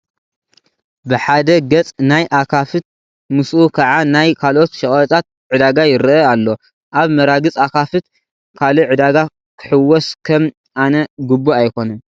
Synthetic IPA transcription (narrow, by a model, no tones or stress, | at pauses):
bɨħad̪ɐɡɐt͡sʼnajʔakʰafɨt̪̚ | mɨsʔukʰɐʕanajkʰalʔo̞t̪ʃɐχʼt͡s̪ʼat̪̚ʕɨd̪aɡajɪɾɨʔɐalːo̞ | ʔaβmɐɾaɡɨt͡sʼakʰafɨt̪̚ | kʰaliʕɨd̪aɡa | kʰɨ̥ħɨwːɔskʰɐm | ʔanɐɡɨbːoajkʰo̞nɐm